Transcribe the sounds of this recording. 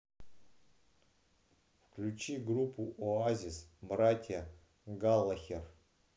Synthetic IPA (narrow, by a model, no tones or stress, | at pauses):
fklʲut͡ʃiɡrupʰːuʔoazʲisbratʲja | ɡalˠːaxʲer